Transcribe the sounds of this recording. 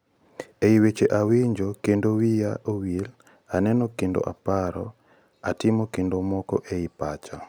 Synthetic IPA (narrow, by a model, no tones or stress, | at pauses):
eiwet͡ʃeʔawiɲd͡ʒokendowijaowil | anɛnɔkendo̰ʔa̰paɾɔ | atɪmokendomɔkɔ̰ʔeipat͡ʃa